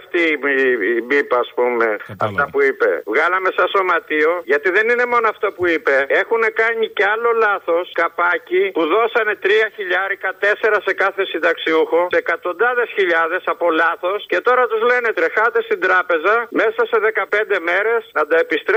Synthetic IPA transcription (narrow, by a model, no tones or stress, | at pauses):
ft̪i | bipɐːspume̞̰ɐ̰ft̪ɐpuipe̞̰vɣɐlɐme̞sɐso̞mɐt̪io̞ʝɐt̪iðe̞nine̞mo̞noɐft̪opuipe̞e̞xune̞kɐɲiceɐlo̞lɐθo̞skɐpɐcipuðo̞sɐne̞t̪ɾiɐçiʎɐɾikɐt̪e̞se̞ɾɐse̞kɐθe̞sind̪ɐksiuxo̞seekɐt̪o̞nd̪ɐðe̞sçiʎɐðe̞sɐpo̞lɐθo̞sce̞t̪o̞ɾɐt̪uzle̞ne̞t̪ɾe̞xɐt̪e̞st̪ind̪ɾɐpe̞zɐme̞sɐse̞ðe̞kɐpe̞nd̪e̞me̞ɾe̞snɐd̪ɐe̞pist̪ɾ